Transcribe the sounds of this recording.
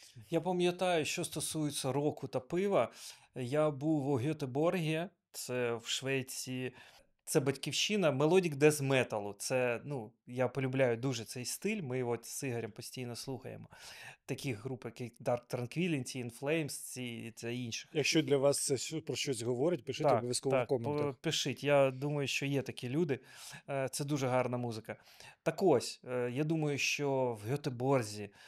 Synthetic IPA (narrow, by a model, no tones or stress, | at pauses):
japɐmʲjɐt̪ɑjʊʃt͡ʃɔst̪ɔsujɪt͡sʲːɐɾɔkʊt̪ɐpɪʋɐ | jabuʋɔɦʲɔt̪ebɔrɦʲijɐ | t̪sɛwʃʋɛt͡sʲi | t̪sɛbɐtʲkʲiwʃɪnɐmelˠɔdʲiɡd̪ɛzmɛt̪ɐlˠʊt̪sɛnujapɔlʲʊblʲajʊd̪uʒɛt̪sɛjst̪ɪlʲmɪjɦɔsɪɦɐɾʲɐmpɔsʲtʲijnɔslˠuxɐ̰jḛmɔt̪ɐkʲiɦɾupɪjɐkɪd̪ɑrk̚t̪ɾɐnkʋʲilʲinʲt͡sʲiɪnflˠɛjmst͡sʲit̪sɛinʃɪ̥xjɐkʃt͡ʃɔd̪lʲɐʋɑst̪sɛpɾɔʃt͡ʃɔsʲɦɔʋɔɾɪt̚ʲpɪʃɪt̪ʲɔbɔʋjʲɐskɔʋ̪ɔkkɔmpɪʃɪtʲjad̪umɐjʊʃt͡ʃɔjɛt̪ɐkʲilʲud̪ɪt̪sɛd̪uʒɛɦɑrnɐmuzɪkɐ | t̪ɐkɔsʲjad̪umɐjʊʃt͡ʃɔwɦʲɔt̪ɪbɔrzʲi